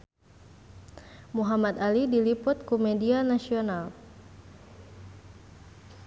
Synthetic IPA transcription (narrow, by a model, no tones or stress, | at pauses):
muɦamat̪alidilipʊt̪̚kumɛdianasional